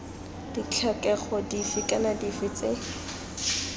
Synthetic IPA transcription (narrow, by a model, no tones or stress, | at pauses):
d̥it͡ɬʰakʼɛχɔdifɪkʼanadifɪt͡se